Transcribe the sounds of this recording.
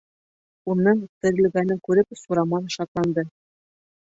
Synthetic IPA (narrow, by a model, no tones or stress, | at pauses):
unːɤŋʉt̪t̪ɘ̆ɾɘ̆lɡænɘŋkʉɾɘpsuɾɑmɑnɤʃɑt̪lˠɑnd̪ɤ